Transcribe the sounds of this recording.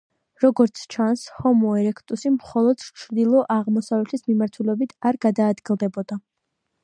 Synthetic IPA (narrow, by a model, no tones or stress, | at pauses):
ɾɔɡɔɾt̪sʰt͡ʃʰanshɔmɔɛɾɛkʰt̪ʼusimχɔlˠɔd̪̥t͡ʃʰɾd̪ilˠɔʔaʁmɔsavlɛt̪ʰismimaɾt̪ʰulɛbit̪ʰaɾɡad̪aːd̪ɡilˠd̪ɛbɔd̪a